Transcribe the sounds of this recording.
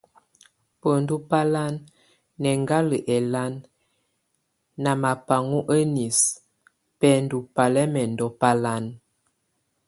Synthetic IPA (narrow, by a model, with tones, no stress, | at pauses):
pə˨n˨du˦pa˦la˦nː | ɛ˨ŋɡa˦lə˨ʔɛ˨la˦n | a˨ma˨pa˨ŋu˦ʔə˦ni˨s | pɛ˦n˨du˨pa˨lɛ˦mɛ˨n˨dɔ˦pa˦la˦n